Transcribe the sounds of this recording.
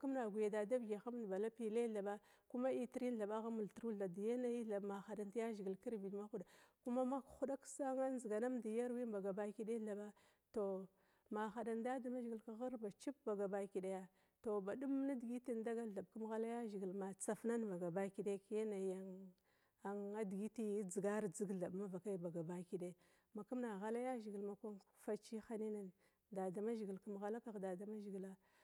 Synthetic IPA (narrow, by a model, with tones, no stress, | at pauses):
ku˦mna˨ɡʷi˨ja˨da˨da˦vɡa˨xa˦m˦˨ba˨la˦pi˨le˦ɮa˨ba˦ | ku˦ma˦i˦ti˦ɾi˦n˦ɬa˨ɓa˦ɣa˦mu˨ltɾu˦ɮa˨di˨ja˦na˨˦i˦a˨ma˨xa˨da˨ntja˦ʒi˨ɡi˨lki˦ɾvi˨dma˦xu˦da˨ku˦ma˦ma˦kxu˦da˦ksa˦ŋa˦zi˨ɡa˨na˦mda˨ja˦ɾwi˦ba˨ɡa˨ba˨˦ki˨ɗe˦ɬa˨ba˦ | to˨ | ma˨xa˨da˨nda˦da˨ma˦ʒi˨ɡi˨lka˨ɣa˦ɾba˨t͡ʃi˦p̚ba˨ɡa˨ba˨ki˨ɗa˨ja˦ | to˨ba˨ɗu˦m˦na˦di˨ɡi˦ti˦nda˦ɡa˦ɮa˨b̚ku˦m˦ɣa˦la˦ja˦ʒi˨ɡi˨lma˨t͡sa˨fna˦nba˨ɡa˨ba˦ki˨de˦kja˦na˨ja˨ŋ | a˨ŋa˦di˨ɡi˦ti˦d͡zi˨ɡa˦ɾd͡zi˦ɡɮa˨bma˦va˨ka˦i˦ba˨ɡa˨ba˦ki˨ɗe˦ | ma˨ku˦mna˨ɣa˦la˦ja˦ʒi˨ɡi˨lma˨kʷa˦n | fa˦t͡ʃi˦xa˦ni˦na˨n | da˨da˨ma˦ʒi˨ɡi˨lku˦mɣa˦la˦ka˨ɣda˨da˨ma˦ʒi˨ɡi˨la˦